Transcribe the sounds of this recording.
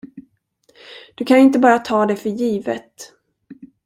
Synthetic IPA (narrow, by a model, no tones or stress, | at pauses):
d̪̥ɵkʰanɪnt̪əbɑːɾat̪ʰɑːd̪ɛfœɾjiːvət̪